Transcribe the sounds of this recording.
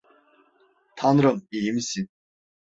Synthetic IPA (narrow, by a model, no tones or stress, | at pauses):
t̪ʰanɾɯmijimisin